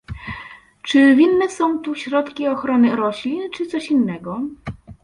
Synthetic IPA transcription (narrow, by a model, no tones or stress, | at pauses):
t͡ʂɘvʲinːɛsɔ̃w̃t̪uɕɾɔt̪kʲiɔxɾɔnɘɾɔɕlʲint͡ʂɘt̪sɔɕinːɛɡɔ